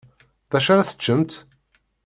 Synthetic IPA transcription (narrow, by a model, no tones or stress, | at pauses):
ðæʃaɾaθə̥t͡ʃːəmt̪